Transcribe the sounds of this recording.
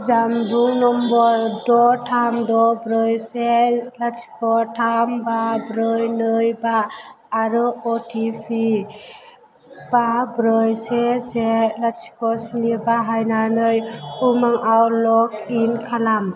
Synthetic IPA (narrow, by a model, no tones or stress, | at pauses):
zamduŋnɔmbɔɾdɔtʰamdɔbɾɯjselat͡ʃi̥kʰɔtʰambabɾɯjnɯjbaː | ɾɯɔtʰipʰi | b̥abɾɯjseselat͡ʃi̥kɔsinibaɦajnanɯjumaŋawlɔkinkʰalam